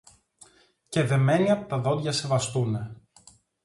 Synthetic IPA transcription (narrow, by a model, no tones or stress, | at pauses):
ce̞ðe̞me̞niɐpot̪ɐðo̞lʝɐse̞vɐst̪une̞